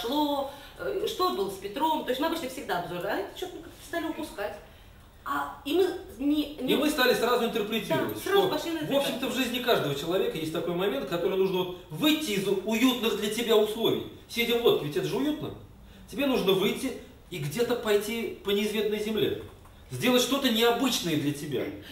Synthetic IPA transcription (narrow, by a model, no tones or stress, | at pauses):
ʂlˠo | ʂt̪o̞t̪bɨlˠəspʲɪt̪ɾo̞mt̪ojsʲtʲmɨɐbɨt͡ɕʲnəfsʲɪɡ̚d̪aɐbzoɾəɐɛt̪ə̥t͡ɕot̪mkakt̪ə̥st̪alʲɪʊpʊskatʲ | aimɨnʲɪimɨst̪alʲɪsrazʊɪnt̪ərpɾʲɪt̪ʲiɾəvə̰tʲsrapɐʂlʲinvo̞pɕːɪmt̪əvʐɨzʲnʲɪkaʐd̪əvət͡ɕɪlˠɐvʲe̞kəjesʲtʲt̪ɐko̞jmɐmʲent̪̚kɐt̪o̞ɾɨjənuʐnəvo̞t̪vɨjtʲːɪːzʊjut̪nɨɣd̪lʲɐtʲɪbʲaʊslˠo̞vʲɪ̰j | sʲedʲɪvlˠo̞t̪kʲɪvʲɪtʲɛt̪əʐɨʊjut̪̚nə̰ | tʲɪbʲenuʐnəvɨjtʲːɪː | ɡdʲe̞t̪əpɐjtʲipənʲɪːzvʲe̞snəjzʲɪmlʲḛ | zʲdʲe̞lˠətʲʂt̪o̞t̪ənʲɪɐbɨt͡ɕnəjəd̪lʲətʲɪbʲa̰